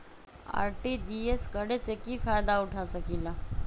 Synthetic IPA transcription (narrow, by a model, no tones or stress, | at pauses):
a̰ːɾʈidieskəɽesekifajd̪aʊʈʰasəkiːla